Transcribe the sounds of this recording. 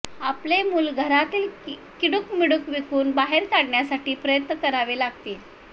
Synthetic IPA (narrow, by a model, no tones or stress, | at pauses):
aplemuːlɡʱəɾat̪iːlkiɽukmiɽukʋikuːnbaɦeɾkaɽɳjasaʈiːpɾəjət̪nəkəɾaʋelaɡ̚t̪eːl